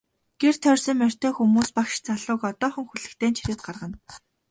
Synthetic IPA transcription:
ɡ̥er̥t̪ʰœrsə̆ŋmær̥ʲt̪eːxumuːspaxʃt͡sʰaɮʊːkɔt̪ɔːχə̆ŋxuɮɘ̆kt̪ʰeːnt͡ɕʰiɾɘ̆ːt̪̚ɢarʁə̆n

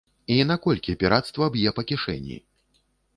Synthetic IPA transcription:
inakɔlʲkʲiɐpʲiɾat̪st̪vɐbjɛpɐkʲiʂɛ̰nʲːḭ

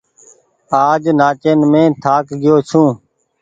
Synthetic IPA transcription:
aːd͡ʒnaːt͡ʃeːnmẽːt̪ʰaːkɡɪjoːt͡ʃʰũː

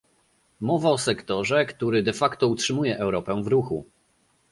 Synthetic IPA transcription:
mɔvaɔsɛkt̪ɔʐɛkt̪uɾɘd̪ɛfakt̪ɔutʂɘmujɛʔɛwɾɔpɛ̃vɾuxṵ

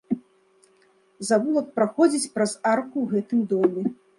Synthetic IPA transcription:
zavulˠɐk̚pɾaxɔd͡zʲit͡sʲpɾɐzarkuwɣɛt̪ɨmd̪ɔmʲɛ

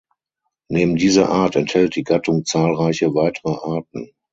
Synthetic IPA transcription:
neːbm̩diːzɐʔaːɐtɛnthɛlt̚d̥iːɡatʰʊŋt͡saːlʁaɪçəvaɪtʰəʁəʔaɐtn̩

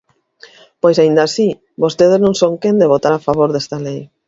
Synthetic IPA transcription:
pojsaind̪aːsi | βost̪eðeznõŋsõŋkẽnd̪eβ̞ot̪aɾafaβ̞oɾðest̪alej

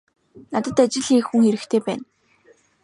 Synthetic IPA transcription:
nat̪ə̆t̪at͡ɕɪ̆ɮiːkxuŋeɾɘ̆xt̪ʰeːpæːn

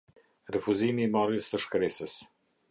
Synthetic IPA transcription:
ɾəfuzimiːmaɾjəst̪əʃkɾesəs

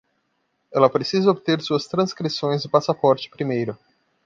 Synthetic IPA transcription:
ɛlɐpɾesizɐobit̪eɾsuɐst̪ɾɐ̃skɾisõj̃zʊpasapɔɾt͡ʃɪ̥pɾimejɾʊ

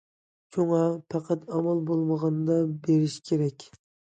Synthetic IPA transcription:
t͡ʃʰoŋɑpʰɑqʰɑt̪ɑmɑlˠbolˠməʁɑnɨd̪ɑbeɾiʃkʲʰeɾɛkʲ

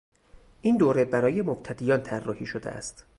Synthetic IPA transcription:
ʔind̪oːɾe̞bæɾɒːje̞mobt̪ʰæd̪iːjɒːnt̪ʰærːɒːhiːʃod̪ḛʔæ̰st̪

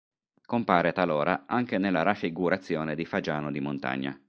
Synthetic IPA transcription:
kompaːɾet̪alɔːɾaaŋk̟enelːaɾafːiɡuɾat̪sːjɔːned̪ifad͡ʒaːnod̪imont̪a̰ɲːa̰

